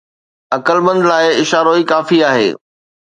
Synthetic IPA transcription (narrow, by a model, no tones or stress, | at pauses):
ɐkəlmə̃nd̪laːɪɪʃaːɾoikaːfiaːɦḛː